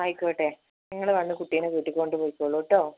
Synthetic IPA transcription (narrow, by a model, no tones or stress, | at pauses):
ɐjkːoːʈːe | niŋːɐɭʋɐnːɨkuʈːijɐnɨʋiːʈːikʲːoɳɖɨpoːjikːoːɭːoːʈːoː